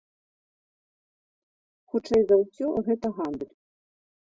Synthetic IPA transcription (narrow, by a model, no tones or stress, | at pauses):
xut͡ʂɛjzawsʲɔɣɛt̪ɐɣand̪ɨlʲ